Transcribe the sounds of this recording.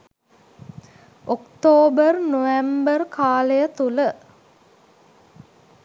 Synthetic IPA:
okt̪oːbərnoʋɛmbərkʰaːləjət̪ulə

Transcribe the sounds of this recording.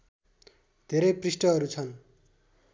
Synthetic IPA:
d̪̥ʱeɾʌjprisʈʌʌɾut͡sʰʌn

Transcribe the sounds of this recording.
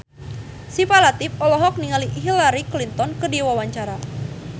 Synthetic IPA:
sipalat̪ɪfɔlɔɦɔk̚niŋaliɦilaɾiklint̪ɔnkɨdiwawaɲt͡ʃaɾa

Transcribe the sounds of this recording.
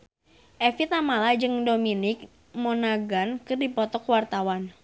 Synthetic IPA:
ʔɛfit̪amalad͡ʒɨŋdominɪk̚ | monaɡankɨrdipɔt̪ɔkwart̪awan

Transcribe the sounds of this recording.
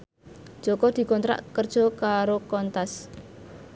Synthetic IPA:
ʒ̥ɔkɔd̪̥i̤kɔnt̪ɾa̰ʔkərd̥ʒ̥ɔ̤kaɾokɔnt̪as

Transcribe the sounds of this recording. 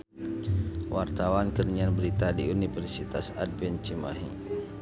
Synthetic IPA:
wʔart̪awankəniɲanbəɾit̪adiunifɛrsit̪asa̰d̚bɛnt͡ʃima̰ɦḭ

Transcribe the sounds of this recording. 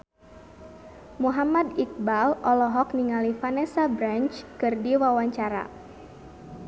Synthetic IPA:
muɦamad̪ik̚balɔlɔɦɔk̚niŋalifanɛsabɾant͡ʃkɨrdiwawaɲt͡ʃaɾa̰

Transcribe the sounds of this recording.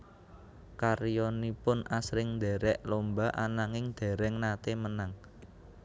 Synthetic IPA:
karjɔnipʊnʔasɾɪŋnd̪ɛ̤ɾɛʔlombaʔanaŋɪŋd̪̥e̤ɾɛŋnat̪emənaŋ

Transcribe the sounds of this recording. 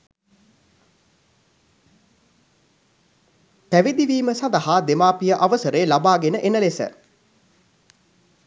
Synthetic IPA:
pæʋid̪iʋiːməsand̪ɐɦaːd̪emaːpijəʔaʋəsəɾeːlabaːɡenəʔenəlesə̰

